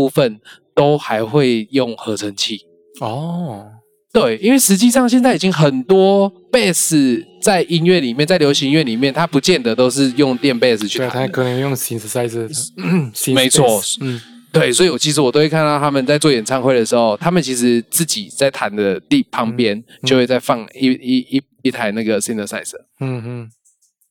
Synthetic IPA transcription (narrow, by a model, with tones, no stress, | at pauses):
u˥˧fə˨nt̪o˥ʊxa˧˥ɪxwe˥˧ɪjo˥˩ŋxɤ˧˥t͡sʰə˧˥ŋt͡ɕʰi˥˩ | ɔ˥ | t̪we˥˩ɪi˥nwe˥˩ɪʂɻ̩˧˥t͡ɕi˥˧ʂɑ˥˨ŋɕ̬jɛ˥˧nt͡sa˥˩ɪi˨˩t͡ɕi˦ŋxə˨˩nt̪wɔ˥ | pe˥˧ɪs̩˥˩t͡sa˥˩ɪʔi˦˥nɥɛ˥˩li˨˩mjnt͡sa˥˩ɪljo˧˥ʊɕi˧˥ŋɥɛ˥˩li˨˩mjɛ˥˨nt̪ʰa˥pu˧˦t͡ɕjɛ˥˨nd̪ə˨˩t̪o˥ʊʂ̬ɻ̩˥˧jo˥˨ŋt̪jɛ˥˧npe˥˧s̬ɹ̩ʰ˨˩y̰˥˨a˦kʰə˨˩nə˧˦jo˥˩ŋsi˧˥nssa˥˧ɪs | me˧˦ɪt͡sʰwɔ˥˨ | t̪we˥˩ɪswɔ˧˥i˨˩wɔ˨˩t͡ɕʰi˧˥ʂ̬̩˧˥wɔ˨t̪o˥we˥˧ɪkʰnt̪ɑ˥˩ʊt̪ʰa˥mə˨nt͡sa˥˧ɪt͡swɔ˥˩jɛ˨˩nt͡sʰɑ˥ŋxwe˥˧ɪd̪ə˨ʂɻ̩˧˦xo˧ʊt̪ʰa˥mə˨nt͡ɕʰi˧˥ʂɻ̩˧˦t͡sɹ̩˥˩t͡ɕi˨˩t͡sa˥˩ɪt̪ʰa˨˦nd̪ə˨t̪i˥˨˩pʰɑ˧˥ŋpjɛ˦nt͡ɕo˥˧we˥˧t͡sa˥˧ɪfɑ˥˩ŋi˥˧ | i˥˩t̪ʰa˧˥ɪna˥˩ɡə˩si˥nd̪ə˨sa˥˩ɪsə˨˩˦